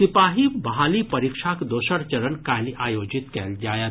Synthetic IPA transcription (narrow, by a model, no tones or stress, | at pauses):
sɪpaːɦibɐɦaːlipəɾikʃʰakd̪oːʃəɾt͡ʃəɾənkaliʔaːjoːd͡ʒit̪kɛld͡ʒaːjə